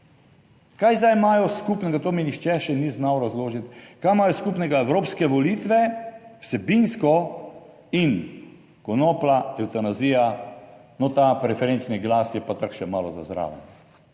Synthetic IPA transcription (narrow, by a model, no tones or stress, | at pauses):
kajzajmajɔskupnɛɡat̪oːminixt͡ʃɛʃɛniznawɾazloːʒit̪kajmaːjɔskupnɛɡaɛwɾoːpskɛʋɔlit̪ʋɛwsɛbinskɔ | in | kɔnoːplaɛwt̪anazija | nɔt̪apɾɛfɛɾent͡ʃniɡlasjɛpat̪akʃɛmaːlɔzazɾa̰ːʋɛn